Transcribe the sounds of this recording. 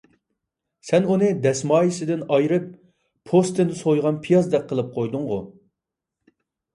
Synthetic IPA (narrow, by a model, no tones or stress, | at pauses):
sɛnunɨd̪ɛsmɑːjisɪd̪ɪnɑjɾɨp̚ːʰ | ost̪ɪnd̪ɪsojʁɑnpʰijɑzd̪ɛk̚qʰːəlˠɨp̚qʰojd̪ʊŋʁʊ